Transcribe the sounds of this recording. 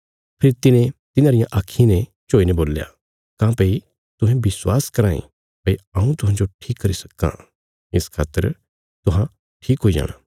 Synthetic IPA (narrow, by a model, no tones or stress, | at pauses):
pʰɪɾt̪ɪnẽt̪ɪnãːɾɪjãʔaːkʰːinɛt͡ʃoːineboːlːja̰ | kãːpɐi | t̪ʊɦɛ̃bɪswaːskɐɾaːḭ̃ | pɐiɐːũt̪ʊɦãːd͡ʒoʈʰiːkːɐɾisɐ̥kːã̰ | ɪskʰaːt̪ːə̰ɾ | t̪ʊɦã | ʈʰiːkɦoid͡ʒa̰ːɽ̃a̰ː